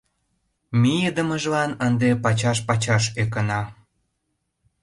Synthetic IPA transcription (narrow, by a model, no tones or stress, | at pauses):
mijəd̪əməʒlɑnənd̪epɑt͡ɕɑʃpɑt͡ɕɑʃek̬ənɑ